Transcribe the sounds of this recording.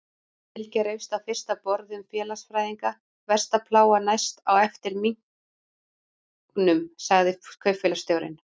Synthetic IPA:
ɛlcɛɾejwst̪awfɪr̥st̪apɔɾðʏmfjɛːlasfɾaːjðiŋka | vɛr̥st̪apʰlaːwanajst̪awɛft̪ɪɾmiŋ̥ | knʏmsaɣðɪkʰœɥfɪlast̪jowɾɪ̰n

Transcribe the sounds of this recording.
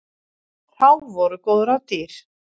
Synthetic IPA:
θawvɔɾʏkowðʏɾawt̪iːɾ̥

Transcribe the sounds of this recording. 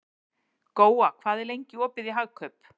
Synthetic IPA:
koːwakʰvaːðɛɾlejɲcɪɔːpɪðiɦaɣkʰœp

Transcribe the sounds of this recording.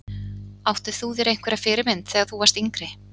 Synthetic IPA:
awht̪ɪ̥θuðɛɾejŋ̥kʰvɛɾafɪːɾɪmɪnt̪θɛːɣaθuvaɾ̥st̪iŋkɾɪ

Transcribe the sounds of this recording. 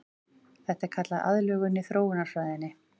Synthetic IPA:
θɛht̪aɛɾ̥kʰat̪laða̰ðlœːɣʏnːɪθɾoːwɪnḁsvaːjðɪnːɪ

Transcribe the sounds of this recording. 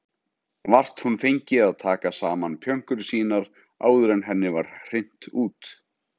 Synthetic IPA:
var̥t̪hunfejɲcɪaðt̪ʰaːkasaːmanpʰjœŋ̥kʏɾsiːnaɾ | a̰ːwðʏɾɛnɦɛnːɪvaɾ̥r̥en̥t̪uːt̪

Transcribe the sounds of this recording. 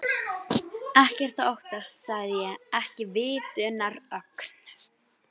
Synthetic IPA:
ɛhcɛr̥t̪aoht̪ast̪saɣðɪjɛɛhcɪvɪːt̪ʏnaɾœkn̥

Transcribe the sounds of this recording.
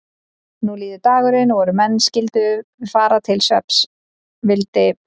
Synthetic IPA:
nuliːðʏt̪aːɣʏɾɪnɔvɔɾʏmɛnːscɪlt̪ʏɪfaːɾat̪ʰɪlsœ̰ps | vɪlt̪ɪ

